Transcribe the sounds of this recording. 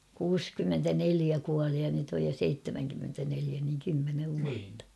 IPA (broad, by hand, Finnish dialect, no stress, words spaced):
kuːskymːentæneliæ kuɑli jɑ nyt oj jo seitːemæŋkymːentæneliæ niŋ kymːeneʋ ʋuɑtːɑ